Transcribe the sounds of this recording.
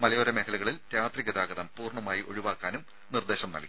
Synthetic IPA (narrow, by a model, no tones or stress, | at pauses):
mɐlɐjoɾɐme̞kʰɐɭluɣɐɭilt̪jaːt̪rikʲːɐd̪aːɡɐðɐmpuːrɳɐmaːjiʔo̞̰ɻuʋaːkːaːnum | nird̪e̞ːɕɐmnɐ̰lkʲːi